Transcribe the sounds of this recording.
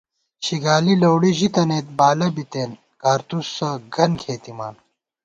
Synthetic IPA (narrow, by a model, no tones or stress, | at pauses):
ɕiɡaːlilɐwɽiʑit̪ɐneːt̪̚baːlɐbit̪eːn | kaːɾt̪usːɐɡʱɐnkʰeːt̪ima̰ːn